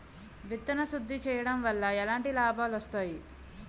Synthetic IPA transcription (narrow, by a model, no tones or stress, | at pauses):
ʋit̪ːɐnɐsud̪ʱːit͡ʃɛːjɐɽɐmʋɐlːɐɛlaːɳʈilaːbʱaːlɐst̪aːji